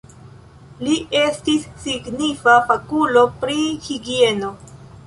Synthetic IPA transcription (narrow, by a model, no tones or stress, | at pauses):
liʔe̞stisːiɡnifafakulo̞pɾihiɡie̞no̞